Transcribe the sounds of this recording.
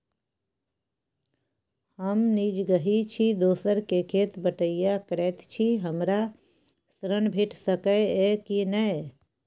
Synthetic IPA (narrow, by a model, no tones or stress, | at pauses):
həmniːd͡ʒɡəɦit͡ʃʰid̪oːsəɾkekʰeːt̪bəʈəɪjakɾɛːt̪t͡ʃʰiɦəmɾa | sɾənbʱɪʈʰsəkəekinəe